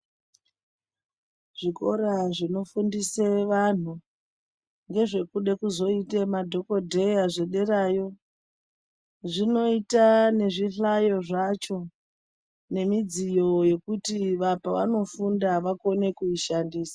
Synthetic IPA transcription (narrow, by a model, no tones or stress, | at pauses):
ʐ̥iko̞ɾaʐino̞fundiseʋan̤u | ŋɡe̞ʐe̞kuɗe̞kuzo̞itemadʱo̞ko̞dʱe̞jaʐe̞ɗe̞ɾajo̞ | ʐino̞itane̞ʐiɬajo̞ʐat͡ʃo̞ | ne̞mid͡zijo̞je̞kutiʋapaʋa̰no̞fundaʋako̞ne̞kuiʃandiːsḁ